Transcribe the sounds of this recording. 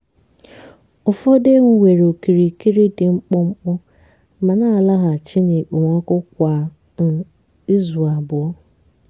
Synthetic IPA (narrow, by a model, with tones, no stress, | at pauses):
ʊ˨fo˦de˦ŋ̩˨wʷe˨ɾo˨ki˨ɾi˨ki˦ɾi˦dɪ˨ŋ͡m̩˦k͡pʊ˦ŋ͡m̩˦k͡pʊ˦ | ma˨na˦a˨la˦ɦa˨t͡ʃɪ˦ne˨k͡po˨ŋʷɔ˦kʊ˦kʷa˨ | i˦zu˨a˨bʊ˨ɔ˦